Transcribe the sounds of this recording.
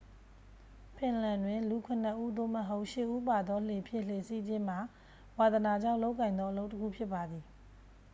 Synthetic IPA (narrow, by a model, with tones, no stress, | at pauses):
pʰɪ̃˨lã˨ndwɪ̃˨nlu˨kʰʊ̃˨n̥ə˨ʔu˦d̪o˦˨mə˨ɦo˦ʊʔʃɪ˦˨ʔu˦pa˨d̪ɔ˦le˨pʰjɪ̰̃˦˨l̥e˨si˦d͡ʑɪ̃˦m̥a˨ | wa˨d̪əna˨d͡ʑã˦˨ʊ̃lo˦ʊkːã˨ɪ̃nd̪ɔ˦ʔə˦lo˦ʊʔtə˦kʰṵ˦˨pʰjɪ˦pːa˨d̪i˨